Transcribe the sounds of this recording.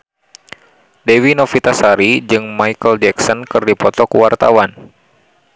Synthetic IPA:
dewinɔfit̪asaɾid͡ʒɨŋmajkəld͡ʒɛksɔnkɨrdipɔt̪ɔkuwart̪a̰wan

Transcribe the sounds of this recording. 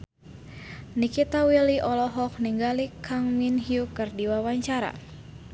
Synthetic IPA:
nikit̪awiliʔɔlɔɦɔk̚niŋɡalikʰaŋminɦiukɨrdiwawaɲt͡ʃaɾa̰

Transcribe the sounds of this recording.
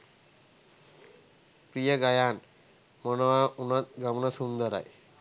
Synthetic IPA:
pɾijəɡajaːn | mɔnɔaunat̪̚ɡamnasund̪əɾa̰j

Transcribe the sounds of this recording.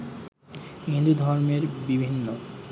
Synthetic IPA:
ɦĩnd̪ud̪ʱɔɾmeɾbibʱinːo

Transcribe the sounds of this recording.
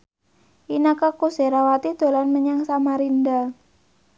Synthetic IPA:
ʔinakakuseɾawat̪id̪̥o̤lanməɲaŋsamaɾind̪a

